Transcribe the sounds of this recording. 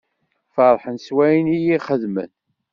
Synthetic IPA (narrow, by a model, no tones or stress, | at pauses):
fɑɾˤħənswæjnijiχəðmə̰n